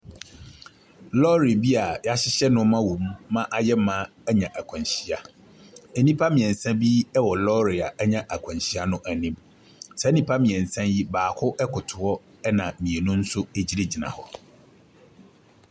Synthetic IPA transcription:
lɔ˦ɾi˨bi˦a˨ja˦ɕɪ˦ɕɛ˦nʊ̃˦mã˦wõ˨mː˦ã˦ʔa˨jɛ˦mã˦ | æ˦ɲã˨ʔæ˨kʰɔ̃˨n˨ɕi˨a˨ | ɛ˨nĩ˦pʰa˦mĩ˨ɛ̃˨n̩˨sã˦bi˦ɛ˦wɔ˨lɔ˦ɾɪ˨a˨ʔæ˦ɲã˨ʔæ˨kʷʰɔ̃˨ɲ˨ɕi˦a˦nʊ̃˦ʔæ˨nĩ˦m | sɛ˨˦nĩ˦pʰa˦mĩ˨ɛ̃˨n̩˨sã˦nji˦baː˨kʰʊ˦ʔɛ˦kʰʊ˨tʰʊ˨ɔ˦ | ɛ˦nã˨mĩ˨e˨nʊ̃˦n̩˦sʊ˦e˨d͡ʑi˦ɾe˦d͡ʑi˨nã̰˨hɔ˨

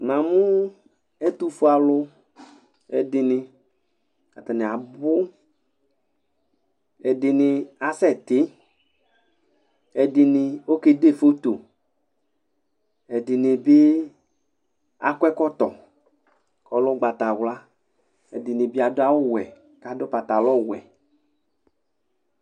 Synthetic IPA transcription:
nã˨mʊ˦ | ɛ˦t̪u˦fu˦a˨lʊ˦ | ɛ̰˨dɪ˨nɪ˧ | ka˨ta˨nɪ˨a˨bʊ˦ | ɛ˨dɪ˨nɪ˧a˨sɛ˦˨tɪ˨˦ | ɛ˨dɪ˨nɪ˧o˦ke˦de˦˨fo˦t̪o˨ | ɛ˨di˨nɪ˨bɪ˦ | a̰˨kʷɛ˦kɔ˦t̪ɔ˨ | kɔ˨lɔ˦ɡ͡ba˨ta˨wla˦ | ɛ˨di˨nɪ˨bɪ˦a˨dʊ˦a˦wʊ˦˨wɛ˨ | ka˨dʊ˦pa˨ta˨lɔ˦˨wɛ̰˨

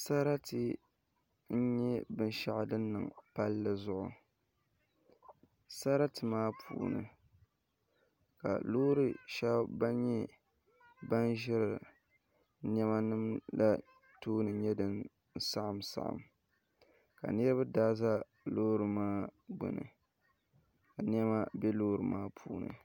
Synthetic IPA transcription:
sa˦ɾa˦tɨ˦ | n̩˦ɲɛ˦bɨ˦n˦ʃa˦ʔa˨dɨ˦nːɨ̰˨ŋpa˦lːɨ˦zʊ˦ʔʊ˨ | sa˦ɾa˦tɨ˨maː˦pʰṵː˨nɨ̰˨ | ka̰˨loː˦ɾɨ˦ʃɛ˦bba˦ɲɛ˦ | ba˦nʒɪ˦ɾɨ˨ | n˦ɛ˦ma˦nɨ˦mla˦ | toː˦nɨ˨ɲɛ˦dɨ˨n˦ | sa˦ʔa˨msa̰˨ʔa̰˨m | ka̰˨nɛ˦ɾɨ˦ba˦daː˦za˦ | loː˦ɾɨ˨maː˦bʊ̰˨nɨ̰˨ | ka˨n˦ɛ˦ma˦bɛ˦loː˦ɾɨ˨maː˦pʰuː˦nɨ̰˨

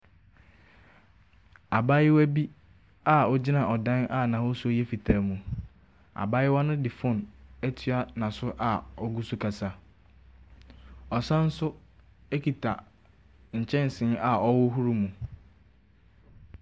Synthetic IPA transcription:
a˨ba˦jɪ˦wæ˦bi˦ | a˦ɔ˦d͡ʑɪ˦nã˨ʔɔ˨dã˦na˦nã˨wɔ˦sʊ˦o˦jɛ˦fi˨tʰaː˨˦mũ˨ | a̰˨ba˦jɪ˦wɔ˦nʊ̃˦dɪ˨fʊ̃˦næ˦tʰɥa˦nã˨sʊ˦ʔa˨ɔ˦ɡu˦su˦kʰa˨sa˦ | ɔ˨sã˦n̩˦sʊ˦ | ɛ˦kʰi˨tʰa˨ | ɲ̩˨t͡ɕʰɛ̃˦n˨sɪ̃˨˦a˨ɔ˦wʊ˦ɦu˦ɾu˦mũ˨

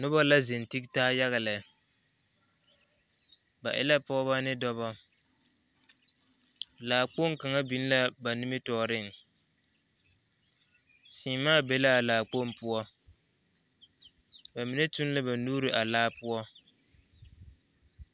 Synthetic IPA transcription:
nʊ˦ba˦la˦zɪ˨n˨ti˦ktaː˦ja˦ɣa˨lɪ˨ | ba˨ʔɪ̰˦la˦pɔ˦βa˦nɪ˦dɔ˦βɔ˦ | laː˨k͡po˦˨ŋ˦ka˨ŋa˦bi˨˦n˦la˦ba˨nu˦mɪ˦tɔː˨ɾɪ˦˨ŋ˨ | siː˨maː˦˨be˨la˦a˨laː˨k͡po˦˨m˦pʊ˦ɔ˦ | ba˨mɪ˨nɛ˦tʊ˦n˦la˦ba˨nuː˦ɾɪ˨ʔa˨laː˦pʊ˦ɔ˦

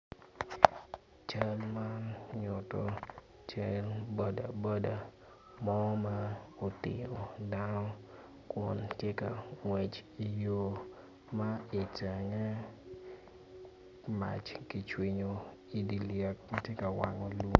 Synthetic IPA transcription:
t͡ʃa˦lma˦nɲʊ˨tɔ˨ | t͡ʃa˦lbo˨da˨bɔ˦da˨ | mɔ˦ma˦o˨tɪ̰˨jo˨da˦nɔ˦ | kwɔ˨ntjɛ˦ka˨ŋwɛ˨t͡ʃi˨jo˦ | ma˦ɪ˨ta˨ŋɛ˦ | ma̰˨t͡ʃki˨t͡ʃwi˨ɲo˨ | i˨di˨ljɛ˨k̚ma˦tje˦ka˨wa̰˨ŋɔ˨lu˦

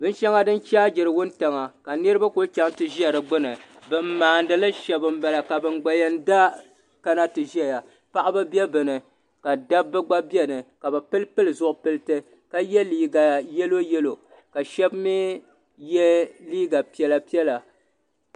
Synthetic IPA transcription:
bɨ˦n˦ʃa˦ŋa˦dɨ˦nt͡ʃaː˦d͡ʒɪ˨ɾɨ˨wʊ˦n˦ta˨ŋa˨ka˨nɨ˦ɾɨ˦ba˦kʊ˦lt͡ʃa˦ŋ˦tɨ˨ʒi˦a˨ɾɨ˨ɡ͡bʊ˦nɨ˨ | bɨ˨m̩ː˦aː˨n˦dɨ˨la˦ʃɛ˨bɨ˨m̩˦ba˨la˨ka˨bɨ˨nɡ͡ba˨jɛ˦n˦da˦ | ka˦na˦tɨ˨ʒi˦a˨ja˨ | pa˦ʔa˦ba˦bɛ˦bɨ˨nɨ˨ | ka˨da˦bːɨ˦ɡ͡ba˦bi˦ɛ˦nɨ˨ka˨bɨ˨pɨ˦lpɨ˦lɨ˨zʊ˨ʔʊ˨pɨ˦lɨ˦tɨ˦ | ka˦jɛ˦liː˦ɡa˨jɛ˦lo˦jɛ˦lo˨ | ka˨ʃɛ˦bmi˦ | jɛ˦liː˦ɡa˨pi˦ɛ˨la˨pi˦ɛ˦la˨

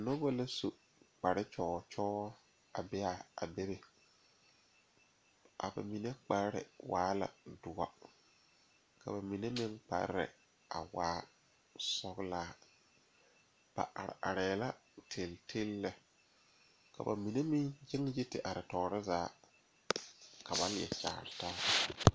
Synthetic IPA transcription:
no˦ba˦la˦so˨ | k͡pa˨ɾɪ˦t͡ʃɔː˨˦t͡ʃɔː˦ | a̰˨bɛ˦a˨a̰˨be˦be˨ | ʔa̰˨ba̰˨mi˨ne˦k͡pa˦ɾɾɪ̰˨waː˦la̰˨dʊ˨a̰˦ | kʰa̰˨ba˨mi˨ne˦mɪ˦ŋk͡pa̰˦ɾɪ̰˨ | a̰˨waː˦ | sɔ˦ɡlaː˦ | b̥a̰˨ʔa̰˨ɾɪ̰˨a˨ɾɛː˨la˦tʰe˨ltʰe˦lːɛ˨ | ka˨ba̰˨mi˨ne˦mɪ˦ŋd͡ʒɪ˦ŋje˦tɪ˨ʔa˨ɾɪ˨tɔː˨ɾɪ˦zaː˨˦ | ka˨ba˦n˦jɛ̰˨t͡ʃa̰ː˨ɾɪ˨taː˦

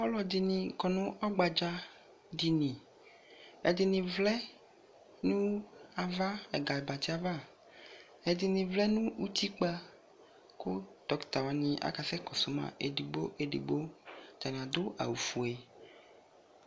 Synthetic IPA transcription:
pɔ˦lɔ˨di˨nĩ˨kɔ˨nũ˦ʔɔ˦ɡ͡ba˨d͡ʒa˦ | di˨nĩ˨ | ɛ̰˨di˨nĩ˨vlɛ˦ | nũ˦a˨va˦ɛ˨ɡa˨ɛ˨ba˨t̪i˦a˨va˦ | ɛ˨di˨nĩ˨vlɛ˦nũ˦u˦t̪i˦k͡pa˦ | ko˦t̪ɔ˨˦kt̪a˨wa˨nĩ˦ʔa̰˨˦ka˨sɛ˦kɔ˨su˨˦mã̰˨ʔe˨di˨ɡ͡bo˦ʔe˨dḭ˨ɡ͡bo˦t̪a˨nĩ˨a˨d̪o˦ʔa̰˨wu˨fu˨e˨

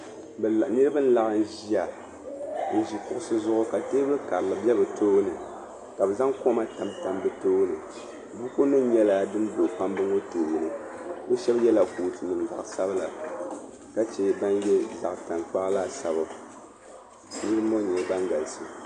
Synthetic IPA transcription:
bnɨ˦ɾɨ˦bɨ˦n̩˦la˨ʔɨ˨n̩˦ʒi˦a˨ | n̩˨ʒi˨kʊ˦ʔʊ˦sɨ˦zʊ˦ʔʊ˦ka˨teː˦bɨ˦ka˨ɾla˨bɛ˦bɨ˨toː˦nɨ˨ | ka˨bɛ˨za˦ŋko˦ma˦ta˨mta˨mbɨ˦toː˦nɨ˨ | bu˦ko˦nɨ˦ɲɛ˦la˦dɨ˦n˦do˨pa˦mbɨ˦ŋo˦toː˨ji˨nɨ˨bɛ˦ʃɛ˦bjɛ˦la˨kuː˨tɨ˨nɨ˨m˨da̰˨ʔsa˦bɨ˦la̰˨ | ka˦t͡ʃɛ˦ba˦njɛ˦za̰˨ʔta˨ŋk͡pa˦ʔlaː˦˨sa˨bɨ˨ | nɨ˦ɾɨ˦mo˦ɲɛ˨˦ba˦ŋɡa˨lsɨ˦

